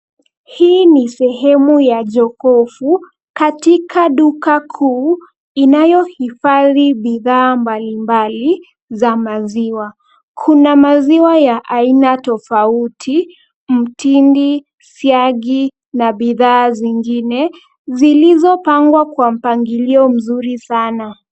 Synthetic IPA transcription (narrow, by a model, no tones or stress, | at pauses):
hiːnisɛɦɛmujaʄɔkɔfu | katikaɗukakʰuː | inajɔhifaðiɓiðaːmbalimbali | zamaziwa | kʰunamaziwajaʔainatɔfautʰi | m̩tindi | siaɠi | naɓiðaːziŋɡinɛ | zilizɔpaŋɡwakwam̩paŋɡiliɔm̩zuɾisana